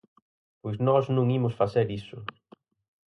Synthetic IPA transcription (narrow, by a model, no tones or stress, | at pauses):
pojznɔznũŋimʊsfaθeɾisʊ